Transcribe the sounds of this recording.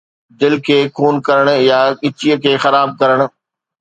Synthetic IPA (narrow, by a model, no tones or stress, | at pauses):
d̪ɪlkʰeːkʰuːnkɐɾəɽ̃̆jaɠɪt͡ɕiəkʰeːxɐɾaːb̚kɐɾəɽ̃̆